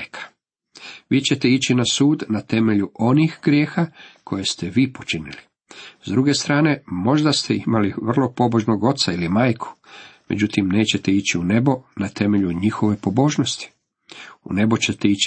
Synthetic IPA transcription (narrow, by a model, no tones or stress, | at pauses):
jkʰḁ | ʋiːt͡ɕe̞t̪eit͡ɕinasuːd̪nat̪e̞me̞ʎuʔo̞nixɡɾjeːxakʰo̞je̞st̪e̞ʋiːpo̞t͡ʃinḭli | zd̪ɾuɡe̞st̪ɾaːne̞mo̞ʒd̪ast̪ʰeimaliʋr̩lˠo̞po̞bo̞ʒnoɡo̞t̪sailimaːjkʰu̥me̞d͡ʑut̪imne̞ːt͡ɕe̞t̪e̞it͡ɕiune̞bo̞nat̪e̞me̞ʎuɲixo̞ʋe̞po̞bo̞ːʒno̞st̪i̥ | ṵnebot͡ɕe̞t̪eit͡ɕ